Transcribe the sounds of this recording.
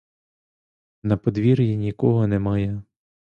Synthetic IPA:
nɐpɔd̪ʋʲirjinʲikɔɦɔnemɑjɛ

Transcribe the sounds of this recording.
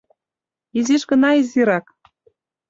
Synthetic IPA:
iziʃɣə̆nɑiziɾɑk

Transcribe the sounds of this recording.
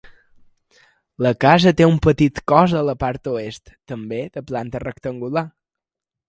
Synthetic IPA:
ləkazət̪eumpət̪it̪kɔzðələpaɾt̪uest̪ːəmbed̪əplant̪ərəkt̪əŋɡula

